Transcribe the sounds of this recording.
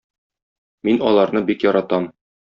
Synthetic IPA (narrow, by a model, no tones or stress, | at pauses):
minɒlˠɑɾnɤbikjɒɾɑt̪ɑm